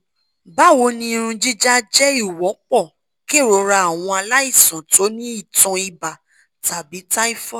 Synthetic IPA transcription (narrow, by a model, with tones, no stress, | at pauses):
ba˦wo˧˦nĩ˧ɾ̃ũ˧d͡ʒi˦d͡ʒa˦d͡ʒɛ˦i˦˨wɔ̃˨˦k͡pɔ˦˨ | ke˦˨ɾɔ˧ɾa˧a˨w̃ɔ̃˧a˧la˦i˦˨sã˨to˨˦nĩ˦i˦˨tɔ̃˧i˧ba˨ | ta˨bi˨˦ta˦i˦fɔ˦